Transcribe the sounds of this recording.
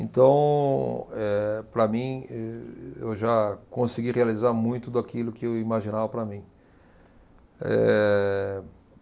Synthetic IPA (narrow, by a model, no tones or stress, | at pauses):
ẽt̪ɐ̃w̃ | ɛpɾɐmĩɛḛwʒakõsiɡihealizaɾmũj̃t̪ʊd̪ʊakilʊkɪewimaʒĩnavɐpɾɐmĩ | ɛ̰